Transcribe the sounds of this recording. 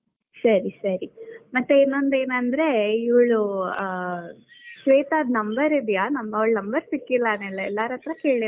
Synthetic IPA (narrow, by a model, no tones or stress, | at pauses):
sɐɾisɐɾimɐt̪ːeinːo̞nd̪e̞ːnɐnd̪ɾe̞iʋɐɭu | ʃʋeːt̪aːd̪nɐmbɐɾid̪janɐmɐʋɐɭnɐmbɐɾsikːilːɐːnɛlːɐɛlːaɾɐt̪ɾɐkeːɭi